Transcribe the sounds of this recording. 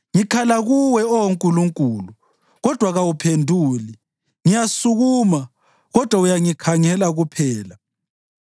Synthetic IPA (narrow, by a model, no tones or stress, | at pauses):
ŋikʰalaɣuwɛɔwoŋkʼuluŋkʼuːlu | ɣɔd̥ʱwaɣawupʰendʱuːli | ŋijasuɣuːma | ɣɔd̥ʱwaujaŋikʰaŋɛlaɣupʰɛːla